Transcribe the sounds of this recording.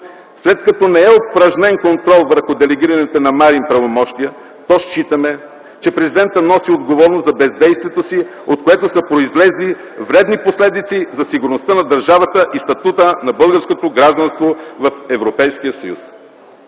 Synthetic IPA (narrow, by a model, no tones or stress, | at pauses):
slɛt̪̚kɐt̪ɔnɛɛopɾɐʒnɛnkont̪ɾɔlˠvəɾxʊd̪ɛlɛɡiɾɐnɛt̪onɐmaɾimpɾɐvomɔʃt̪ijə | t̪ɔʃt͡ʃit̪əmɛ | t͡ʃɛpɾɛzid̪ɛnt̪ənɔsiod̪ɡovɔɾnoszɐbɛzd̪ɛjst̪vʲiɛt̪osi | ot̪̚koɛt̪osəpɾoizlɛzli | vɾɛd̪niposlɛd̪it̪sizɐsiɡʊɾnost̪ənɐd̪ɐɾʒavət̪əʔist̪ɐt̪ut̪ənɐbɤlˠɡəɾskot̪oɡɾaʒd̪ɐnst̪vovɐfɛvɾopɛjskijəsɐjṵs